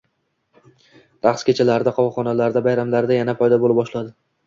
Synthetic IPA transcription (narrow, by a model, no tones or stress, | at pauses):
ɾaχskʲet͡ʃʰalaɾɪd̪aqʰɒvɒχɒnalaɾd̪abajɾamlaɾd̪ajanafɒjd̪ɒbolɪpbɒʃlad̪ɪ